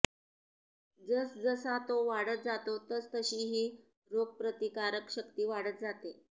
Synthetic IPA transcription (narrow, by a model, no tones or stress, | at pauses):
d͡zəsd͡zəsat̪oʋaɽət̪̚d͡zat̪ot̪əst̪əɕiːɦi | ɾoɡ̚pɾət̪ikaɾəkɕəkt̪iːʋaɽət̪̚d͡zat̪e